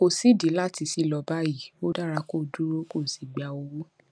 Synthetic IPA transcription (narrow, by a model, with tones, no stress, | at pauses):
o˨si˨˦˨di˨˦la˦˨ti˧si˦˨lɔ˧ba˦i˦˨bo˦da˦ɾa˧ko˦˨du˦ɾo˦ko˦˨si˨ɡ͡ba˨˧o˧wo˦